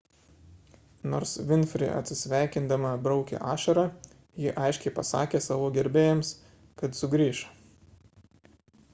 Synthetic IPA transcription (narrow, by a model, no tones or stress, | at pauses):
noːɾsʋʲɪnʲfʲɾʲɪ̰ʔɐ̰t̪ʲsʲɪsʲʋʲæˑɪkʲɪnd̪ɐmɐbɾɒʊkʲɛ̰ʔɑːʃɐɾɐ | jɪʔɐɪʃʲkʲɛɪpɐsɑ̰ːkʲeːsɑːʋoːɡʲɛɾʲbʲeːjɛms | kɐt̪sʊɡɾʲiːʃɐ